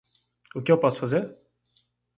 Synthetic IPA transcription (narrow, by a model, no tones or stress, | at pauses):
ʊkɪewpɔsʊ̥fazeɾ